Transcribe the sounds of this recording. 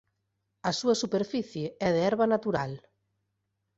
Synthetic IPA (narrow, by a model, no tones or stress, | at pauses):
ɐsuɐsupeɾfiθjeɛðeɛɾβanat̪uɾal